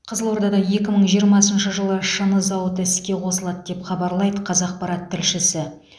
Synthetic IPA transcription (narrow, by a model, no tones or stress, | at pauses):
qʰəzəlˠwo̞ɾd̪ɑd̪ɑje̞kʲɪməɴʒijəɾmɑsənʃəʒəlˠəʃənəzɑwət̪ɪskʲe̞qʰo̞səlˠɑd̪əd̪e̞pχɑbɑɾlˠɑjd̪əqʰɑzɑq̚pɑɾɑt̪ʰːɪlʃɪsɪ